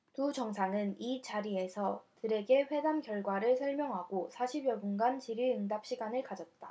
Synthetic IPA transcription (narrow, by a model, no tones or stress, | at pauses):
tud͡ʑʌŋsʰaŋɯnit͡ɕaɾie̞sʰʌtɯɾe̞ɡe̞ɸwe̞damkjʌɭɡwaɾɯɭsʰʌɭmjʌŋɦaɡosʰaɕʰibjʌbunɡant͡ɕiɾiɯŋdap̚ɕ͈ʰiɡanɯɭkad͡ʑʌt̚t͈a